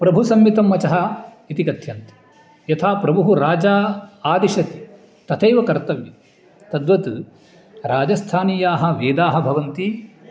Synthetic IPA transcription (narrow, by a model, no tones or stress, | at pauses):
pɾɐbʱusɐmjit̪ɐmːɐt͡ʃɐɦɐ | it̪ikɐt̪ʰjɐnt̪ɐ̥ | jɐt̪ʰaːpɾɐbʱuɦuɾaːd͡ʒaːaːd̪iʃɐt̪i | t̪ɐt̪ʰɐjʋɐkɐɾt̪ɐʋjɐ | t̪ɐd̪ʋɐt̪u | ɾaːd͡ʒɐst̪ʰaːniːjaːɦɐ̆ʋeːd̪aːɦɐ̆bʱɐʋɐnt̪i